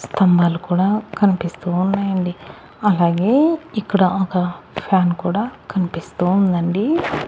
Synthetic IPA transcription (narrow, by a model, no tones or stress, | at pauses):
st̪ʰɐmbaːlukuːɽaːkɐnipist̪uːnːaːjɐɳɖi | ɐlaːɡe̞ːikːɐɽaɔkɐpʰjaːnkuːɽaːkɐnipist̪uund̪ɐɳɖi